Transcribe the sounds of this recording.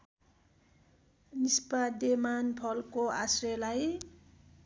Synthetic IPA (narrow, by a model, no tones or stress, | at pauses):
nispad̪emanpʰʌlkoasrelaj